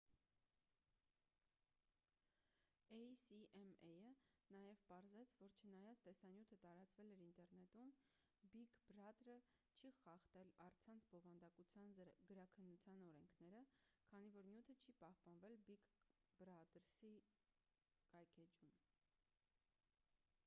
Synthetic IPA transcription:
ɛjsiʔɛmɛjənɑjɛvpɑɾzɛt͡sʰvɔɾt͡ʃʰənɑjɑt͡sʰt̪ɛsɑnjut̪ʰət̪ɑɾɑt͡svɛlɛɾint̪ɛɾnɛt̪um | bikbrɑt̪ɾə | t͡ʃʰiχɑχt̪ɛlɑrt͡sʰɑnt͡sʰbɔvɑnd̪ɑkut͡sʰjɑnɡəɾɑkʰənːut͡sʰjɑnɔɾɛŋkʰnɛɾəkʰɑnivɔɾnjut̪ʰət͡ʃʰipɑhpɑnvɛlbikbɾɑt̪ɾsi | kɑjkʰɛd͡ʒum

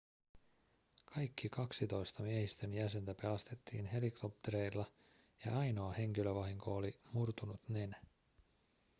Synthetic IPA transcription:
kʰɑjkːikɑksit̪o̞jst̪ɑmiehist̪ø̞njæse̞nt̪æpe̞lɑst̪e̞t̪ːḭːnɦe̞likʰo̞pt̪e̞ɾe̞jlːɑ | jɑ̰ɑjno̞ɑhe̞ŋk̟iløʋɑɦiŋko̞olimurt̪unut̪nenæ

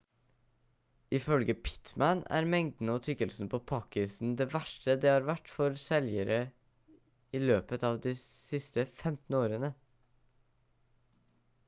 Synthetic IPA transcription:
ʔɪfœlɡəpʰɪ̥t̪mænæ̰ɾmɛŋd̪n̩əɔːt̪ʰʏkəlsn̩pʰoːpʰɑːkɪsn̩d̪eːʋæʂʈəd̪ɛːhɑːɾʋæʈːfɔɾsɛljəɾə | iːløːpət̪ɑːʋd̪iː | sɪst̪əfɛmt̪n̩oːɾənə

